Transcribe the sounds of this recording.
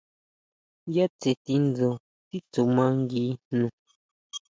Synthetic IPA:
ja˦t͡se˨t̪i˧nd͡zo˨ | t̪i˦t͡su˨mã˧˦ŋɡiː˧nnũ˨

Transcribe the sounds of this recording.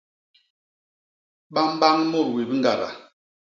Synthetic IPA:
ɓa˦m˦ba˦ŋ˦mo˦˨ɾwi˨bi˦ŋɡa˨ɾa̰˨

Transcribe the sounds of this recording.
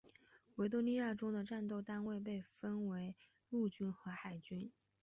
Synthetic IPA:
we˧˥ɪt̪̬wo˥ni˥˧ja˥˩ʈ͡ʂʊ˥ŋd̪ə˨ʈ͡ʂa˥˧nt̪o˥˧ʊt̪a˥˧nwe˥˧ɪp̬e˥˩ɪfə˥nwe˧˥ɪ | lu˥˩t͡ɕy˥nxɤ˧˥xa˨˩ɪt͡ɕy˥n

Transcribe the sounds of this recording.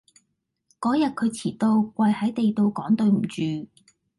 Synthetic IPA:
kɔː˨˥jɐ˨t̚kʰɵ˨˧ɥt͡sʰiː˨˩t̪o˧wkwɐ˧jhɐ˨˥jt̪e˨jt̪o˧wkɔː˨˥ŋt̪ɵ˧ɥm̩˨˩t͡ʃyː˨

